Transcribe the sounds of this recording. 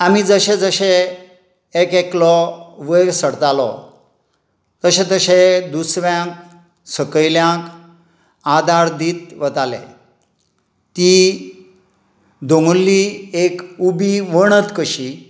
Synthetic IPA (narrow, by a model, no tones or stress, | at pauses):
amid͡zəɕed͡zəɕe | ekeklɔʋəjsəɽt̪alɔ̰ | t̪əɕẽt̪əɕed̪usʋjãk | səkəjljãk | ad̪aɾd̪iːt̪ʋət̪alḛ | t̪i | d̪oŋɡulːiekubiʋəɽ̃ət̪kəɕi